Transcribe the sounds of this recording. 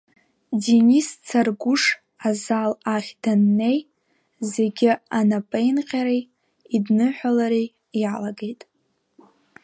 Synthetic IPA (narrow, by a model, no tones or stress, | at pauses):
denist͡sʰarɡʷuʂ | azalaχʲd̥anːe̞j | zeɡʲɪanapʼejnqʲʼaɾej | idnɨħʷᶣalaɾi | jalaɡe̞jtʼ